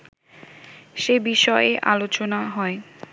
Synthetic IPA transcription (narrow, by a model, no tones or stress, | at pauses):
ʃebiʃɔeʔalot͡ɕonaɦɔe